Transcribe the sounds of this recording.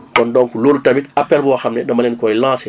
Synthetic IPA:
kɔndɔ̃ŋkuloːlutabitapːɛlbuwaxamnɛdɐmɐlɛnkɔjlãːsɛ

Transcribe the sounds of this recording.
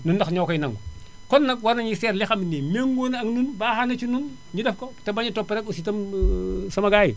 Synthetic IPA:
nundaxɲokojnaŋɡu | konːɐkwaɾnɐɲiseɾlixaminemeŋɡonaŋnunbaːhanɐt͡ʃunun | ɲidefkotɐbaɲitopːeɾekositɐm | sɐmɐɡajḭ

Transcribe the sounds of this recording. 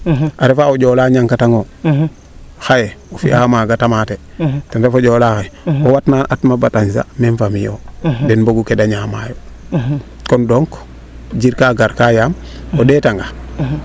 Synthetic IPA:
ʔaɾefaoɟɔlaːɲaŋkataŋo | xajeofḭaamaɡatamatetanɾefoɟoːlaxeowatnaʔatmabataɲsa̰meɱfamijo̰dɛnboɡukedaɲama̰jo | kondoŋk | d͡ʒiɾkaːɡaɾkajaːm | odetaŋɡa

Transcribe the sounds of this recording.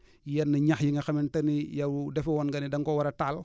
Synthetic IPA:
jɛnːɐɲaxjiŋɡɐxɐmɛntɐnijɐwudɛfɛwɔnɡɐnidɐŋkɔwɐɾɐtaːl

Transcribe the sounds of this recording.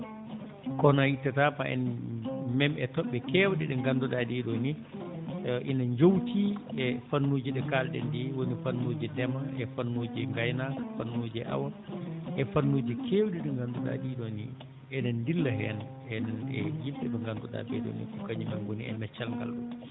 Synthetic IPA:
kɔnajitːatapaʔɛ̰nmɛmɛtɔɓːɛkɛːwɗɛɗɛŋɡandɔɗaɗiɗɔni | ʔinaɲd͡ʒowtiɛfanːoːd͡ʒiɗɛkalɗɛ̰ndiwonifanːoːd͡ʒidɛmaʔɛfanːoːd͡ʒɛŋɡajnafanːoːd͡ʒɛʔa̰waʔɛfanːoːd͡ʒikʰewɗɛɗɛŋɡandɔɗa̰ɗiɗɔni | ɛnɛndilːaɦɛn | ɛnɛnɛjimɓɛɓɛŋɡandɔɗa̰bɛ̰ɗɔ̰nḭkɔkaɲimɛnɡoniɛ̰mɛt͡ʃːalŋɡa̰lɗɔ̰

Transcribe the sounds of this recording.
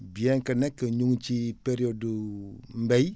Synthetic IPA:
biɛŋkɐnekːəɲuŋt͡ʃipeɾiodumbej

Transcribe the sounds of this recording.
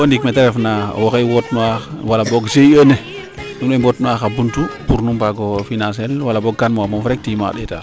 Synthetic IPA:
ondikmeteɾefnawokejwotmawalaboɡseone | numebotnuaxabuntupuɾnumpaɡofinãns̬elwalːaboɡ̚kanmamomfɾek̚tima̰ɗeta̰

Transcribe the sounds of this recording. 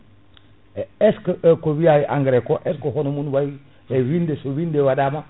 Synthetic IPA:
eskʔekowijajiʔaŋɡɾekoʔeskohonomunwaj | ɾewindesowindewadama

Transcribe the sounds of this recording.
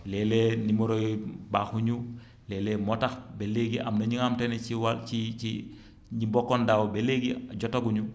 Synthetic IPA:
lɛlenimoɾojbaxuɲu | lɛlemɔtaxbeleɡiʔamnɐɲiŋamtenet͡ʃiwat͡ʃii | ɲibɔkːondawobeleɡiɟɔtoɡuɲu

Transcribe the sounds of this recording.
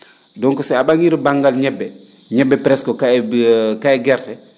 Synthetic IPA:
dɔŋkɔsɛabaŋiɾbaŋɡalɲɛbːɛ | ɲɛbːɛpɾɛskɔkakaɛɡɛrtɛ

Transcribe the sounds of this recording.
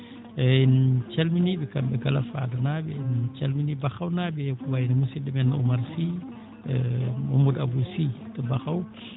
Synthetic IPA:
int͡ʃalminibikambɛɡalafa̰dənabɛint͡ʃalminibaxawnabɛkubajinimusidəmɛnṵmaɾsi | mumuda̰busitəbaxaw

